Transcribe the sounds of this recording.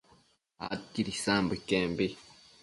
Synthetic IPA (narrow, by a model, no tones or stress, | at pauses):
a̰tiɾisaːmbukeːmbi